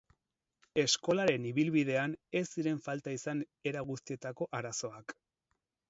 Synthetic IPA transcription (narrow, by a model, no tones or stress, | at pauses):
e̞sko̞laɾe̞niβ̞ilβið̞e̞ane̞sːiɾe̞ɱfalt̪aisan | e̞ɾaɣust̪ie̞t̪ako̞ʔaɾaso̞ak